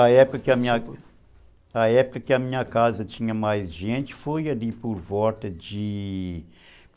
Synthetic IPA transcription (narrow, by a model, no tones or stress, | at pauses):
ɐɛpukɐkɪɐmĩɲɐ | ɐɛpukɐkɪɐmĩɲɐkazɐt̪ĩɲɐmajzʒẽnt͡ʃ̪ɪ̥fojɐlipoɾvɔlt̪ɐd͡ʒɪ